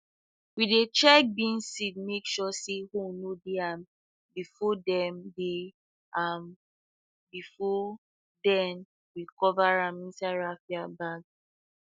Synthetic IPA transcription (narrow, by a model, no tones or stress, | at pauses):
widet͡ʃɛk̚bĩnsid̚mekʃɔsehonodeãm | bifɔdɛmde | am | bifɔ | dɛn | wikɔvaɹãmĩnsaɹafiabaɡ